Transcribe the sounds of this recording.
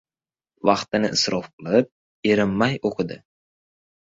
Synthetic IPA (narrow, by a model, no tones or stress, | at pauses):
vɑqt̪ɪnɪʔɪsɾɒfqʰɨlˠɪp̚ | eɾɪmːajoqʰɨd̪ɪ